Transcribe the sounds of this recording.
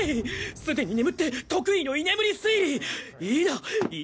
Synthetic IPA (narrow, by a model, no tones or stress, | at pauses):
sɨd̪e̞ɲ̟inemɯ̟t̪ːe̞t̪okɯ̟inoine̞mɯ̟ɾʲisɨiɾʲiiːnai